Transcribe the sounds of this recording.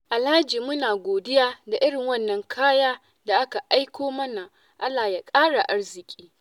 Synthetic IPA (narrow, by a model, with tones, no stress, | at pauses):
ʔa˨laː˦d͡ʒiː˨mʊ˦naː˨ɡʷoː˨dɪ˦jaː˦da˨ʔɪ˦ɽɪ˨ŋwɐ˦˨nːɐ˨ŋkʰaː˦jaː˦ | da˨ʔa˦ka˨ʔa˦jkʷʰoː˦mɐ˦na˨ | ʔa˦lːaː˨ja˨kʼaː˦ɽa˨ʔa˦ɽzɪ˨kʲʼiː˦